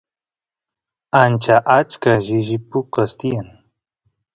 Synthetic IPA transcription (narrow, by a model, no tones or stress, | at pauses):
ant͡ʃaʔat͡ʃkaʒɪʒɪpʊkast̪ijan